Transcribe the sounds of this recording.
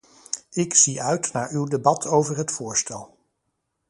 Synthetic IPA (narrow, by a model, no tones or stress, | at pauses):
ɪksiœɥtnaːɹywdebɑtʰowvəɹɦətfʊːɹstɛlˠ